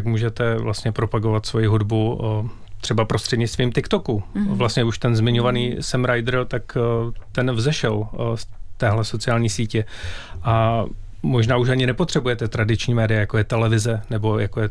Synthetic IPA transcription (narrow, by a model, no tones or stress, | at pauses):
t̪akmuːʒɛt̪ɛvlast̪ɲɛpɾo̞paɡo̞vat̪svo̞jɪɦudbu | t̪r̥ɛbapɾost̪r̝̥ɛdɲɪt͡st̪viːmt̪ɪkt̪o̞kuvlast̪ɲɛuʃt̪ɛnzmɪɲo̞vaniːsɛmɾajd̪ɾt̪akt̪ɛnvzɛʃɛlst̪ɛːɦlɛso̞t͡sɪaːlɲiːsiːcɛʔa | mo̞ʒnaːuʃ̬aɲɪnɛpo̞t̪r̥ɛbujɛt̪ɛt̪ɾadɪt͡ʃɲiːmɛːdɪjajako̞jɛt̪ɛlɛvɪzɛnɛbo̞jakojɛ